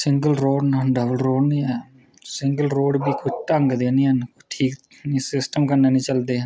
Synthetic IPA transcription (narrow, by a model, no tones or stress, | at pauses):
sɪ̃ŋɡəlɾoːɖnaɖəbəlɾoːɖnĩːɛː | sɪŋɡəlɾoːɖbiːkʊd͡ʒʈəŋɡd̪eːnĩːɦənkʊʈʰiːk | nĩːsɪsʈəmkəneːnĩːt͡ʃəld̪eːɦn